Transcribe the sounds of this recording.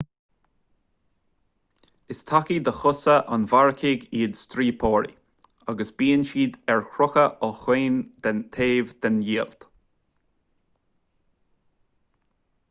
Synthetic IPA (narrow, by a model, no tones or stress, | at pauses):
ɪst̪ʰakid̪əxʊsəʔanvaɹkʰɪɡiːd̪st̪ɾiːpʰɔːɹḭ | aɡəsbiːənʃiːd̪ɛɹkʰɹʊxəʔɔxweːnd̪̥ɛnt̪ʰeːvd̪̥ɛnjiːəlt̪